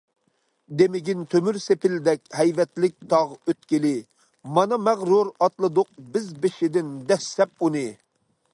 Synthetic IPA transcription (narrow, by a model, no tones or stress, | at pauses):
d̪emɪɡʲint̪ʰømyɾsepɪld̪ɛkʲhɛjvɛt̪lɪk̚ʲt̪ʰɑʁøt̪kʲilɪ | mɑnɑmæʁɾuɾɑt̪lˠɨd̪ʊq̚bɪzbɪʃɪd̪ɪnd̪ɛsːɛp̚unɨ